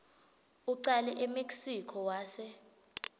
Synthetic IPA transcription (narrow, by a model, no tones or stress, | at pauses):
uǀalɛʔemeksikʰɔwaːsɛ